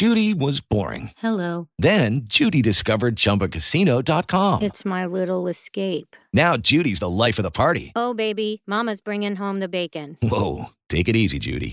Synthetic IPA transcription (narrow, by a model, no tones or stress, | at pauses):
d͡ʒʒ̥ʉɾiwʌzbɔ̰ɹɪ̰̃ŋhɛloʊðɨ̃nd͡ʒʉɾidɨskʌvə˞d̚d͡ʒʌ̃mpɨkʰɨsiñoʊdɑt̚kʰɑ̃mɨtsmaɪlɪɾl̩ˠəskeɪpnaʊd͡ʒʉɾizðəlaɪfʌvðəpʰɑɹɾḭoʊbeɪbimɑmɨzbɹɪ̃ŋɪ̃ŋɦõʊ̃mðɨbeɪkɨ̃nwoʊtʰeɪkɨɾizḭd͡ʒʉ̰ɾḭ